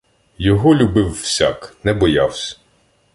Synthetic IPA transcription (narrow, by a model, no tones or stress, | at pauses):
jɔɦɔlʲubɪwːsʲaknɛbɔjawsʲɐ̥